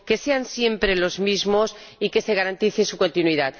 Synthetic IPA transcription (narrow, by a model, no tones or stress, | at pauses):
ke̞se̞ansje̞mpɾe̞lo̞zmizmo̞s | ike̞se̞ɣ̞aɾant̪iθesuko̞nt̪inwiðat̪